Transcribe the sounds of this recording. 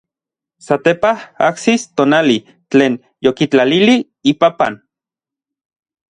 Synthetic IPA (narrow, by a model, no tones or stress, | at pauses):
sat̪epaha̰ksist̪oːnali | t͡ɬeːn | jokit͡ɬalili | ipapa̰n